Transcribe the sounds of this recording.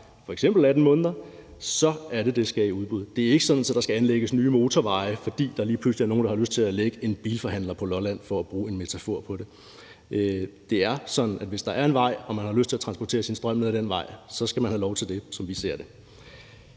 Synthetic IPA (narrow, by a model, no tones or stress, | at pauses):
fɒ̽eɡ̥semb̥l̩æd̥n̩mɔ̽ːnðˠɐ | sɒ̽æɐɾe̝d̥e̝sɡ̥æiuð̞ˠb̥uð̞̰ˠd̥e̝æɐe̝ɡ̥əsɒ̽d̥n̩sɒ̽d̥ɑ̈sɡ̥æænleɡ̥əsnyːmo̝ːt͡sʰɒʋɑ̈ɪəfɒ̽d̥ḭːd̥ɑ̈æɐliːpʰl̥usliæɐno̝ːn̩dɑhɑ̈løsd̥̚t͡sʰe̝læleɡ̥əe̝nb̥ḭːlfɒ̽ɦæn̰lɐpʰɒ̽lɒ̽læn̰fɒ̽æb̥ʁuːe̝nme̝t͡sʰæfo̝ɐ̰pʰɒ̽d̥e̝ | d̥e̝æɐsɒ̽d̥n̩ʔædʋe̝sd̥ɑ̈æɐe̝nʋɑ̈ɪ̰ɒ̽mænhɑ̈løsd̥t͡sʰe̝æɐt͡sʰʁɑ̈nsb̥ɒt͡sʰe̝̰ːɐsinsd̥ʁɶm̰nəðˠd̥enʋɑ̈ɪ̰sɒ̽sɡ̥æmænhælɒʊt͡sʰe̝ld̥e̝sɒ̽mʋise̝ɐ̰d̥e̝